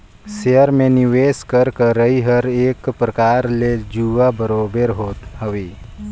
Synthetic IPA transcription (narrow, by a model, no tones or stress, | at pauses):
seəɾmẽniʋeːskəɾkəɾəɦiɦəɾeːkpɾəkaːɾled͡ʒuːʋabəɾoːbəɾɦoːt̪ɦəʋiː